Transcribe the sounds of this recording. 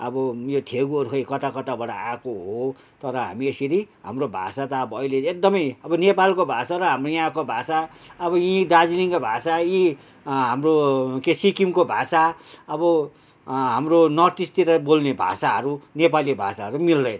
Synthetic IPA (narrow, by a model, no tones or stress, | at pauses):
ʌbʌjot̪ʰeɡuʌɾukʰejkʌt̪akʌt̪abʌɽa̰akoɦo | t̪ʌɾʌɦa̰miesiɾiɦa̰mrobʱa̰sat̪aːbʌːileek̚d̪ʌmʌjʌbʌnepalkobʱasaɾʌɦamrojãkobʱasaʌbʌjid̪ad͡ziliŋkabʱasaji | ɦamrokesikimkobʱasaʌβʌ | ɦamronʌrt̪ist̪iɾʌbolnebʱa̰saɦʌɾunepalibʱa̰saɦʌɾumild̪ʌjn